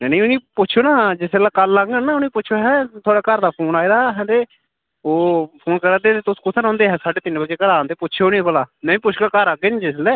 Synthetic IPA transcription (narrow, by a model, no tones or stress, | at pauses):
nɛnẽːʊnĩːpʊtːʃʰːnaːd͡ʒɪsəlːaːkəlːaɡənaːʊnĩːpʊːt͡ʃʰoːɦɛ̃ːt̪ʰoaːɽaːkəɾd̪aːpʰoːnaːiːd̪aːɦɛ̃ːt̪eː | oːpʰoːnkəɾaːd̪eːt̪et̪ʊskʊt̪ʰːeːɾɔ̃ːnd̪eːɦɛ̃ːsaːɖeːt̪ɪnbət͡ʃeːkəɾaːnt̪eːpʊːt͡ʃʰoːnĩːpəlaːmɛ̃ːĩːpʊt͡ʃʰkaːkəɾəɡənd͡ʒɪslɛː